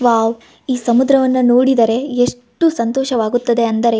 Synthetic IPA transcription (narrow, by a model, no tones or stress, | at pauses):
ʋaːʋ | iːsɐmud̪ɾɐʋɐnːɐnoːɽid̪ɐɾe̞eʂʈːusɐnt̪oːʃɐʋaːɡut̪ːɐd̪e̞ɐnd̪ɐɾe̞